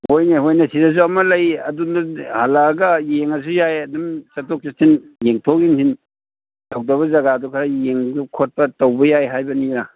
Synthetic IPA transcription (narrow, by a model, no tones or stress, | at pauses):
hojneɦojnɐsidɐs̬uɐmɐlɐjɐdundɐhalaɡɐjeŋɐs̬ujajɐdumsɐtok̚t͡ʃitʰinjeŋtʰok̚insin | tʰok̚dɐβɐzɐɡadukʰaɾɐjeŋukʰot̚pɐtɐwbɐjajɦajbɐniɾa